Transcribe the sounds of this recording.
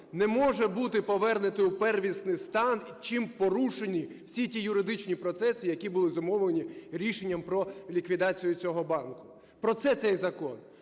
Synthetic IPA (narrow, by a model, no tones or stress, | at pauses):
nɛmɔʒɛbut̪ɪpɔʋɛrnɪt̪ɪupɛrʋʲisnɪjst̪ɑnit͡ʃimpɔɾuʃenʲiw̥sʲitʲijʊɾɪd̪ɪt͡ʃnʲipɾɔt̪sɛsʲijɐkʲibʊlˠɪzɔmɔwlˠenʲiɾʲiʃenʲːɐmpɾɔlʲikʋʲid̪ɑt͡sʲijʊt͡sʲɔɦɔbɑnkʊ̥ | pɾɔt̪sɛt̪sɛjzɐkɔn